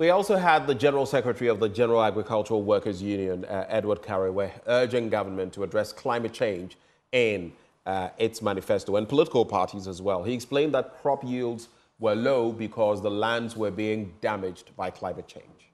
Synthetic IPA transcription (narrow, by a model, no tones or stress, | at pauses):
wiɔlˠsoʊəd̪̚ðɨd͡ʒɛnə˞l̩ˠsɛkɹɨtɛɹiʌvðɨd͡ʒɛnə˞l̩ˠæɡɹɨkʰʌlˠt͡ʃə˞l̩ˠwɜ˞kə˞zjʉ̃njɨ̃nʔɛd̚wə˞d̚kʰæɹiweɜ˞d͡ʒɪ̃ŋɡʌvə˞mɨ̃ntʰəːdɹɛskʰl̥ãɪ̃mɨt̚t͡ʃʰẽɪ̃nd͡ʒ | ɪ̃n | ɪtsmænɨfɛstoʊɨ̃npʰəlɪɾɪkl̩ˠpʰɑ̰ɹɾizəzwɛlˠiɨksplẽɪ̃n̚ðət̚kʰɹ̥ɑpjilˠdz | wə˞loʊbɨkʰʌzðəlæ̃ndzwə˞biɪ̃ŋdæmɪd͡ʒbaɪkʰl̥ãɪ̃mɨt̚t͡ʃʰẽɪ̃nd͡ʒ̥